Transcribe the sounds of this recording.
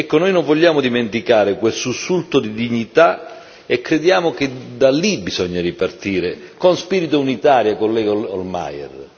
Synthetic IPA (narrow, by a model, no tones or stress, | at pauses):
ɛkːonoːjnõɱvɔʎːaːmʊd̪iment̪ikaːɾɪkwest̪usːult̪od̪id̪iɲːit̪a | ekːɾed̪jaːmoked̪alːibizɔɲːaɾipart̪iːɾekonspiːɾit̪ounit̪aːɾjakolːɛolma̰jɛ̰r